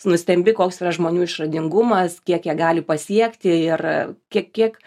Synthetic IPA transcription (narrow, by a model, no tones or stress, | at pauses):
nʊsʲt̪ʲɛmʲbʲɪkoːksiːrɐʒmoːnʲuːɪʃrɐd̪ʲɪŋɡʊmɐskʲiɛkjiɛɡɑːlʲɪpɐsʲiɛkt̪ʲɪɪrkʲiɛkkʲːiɛk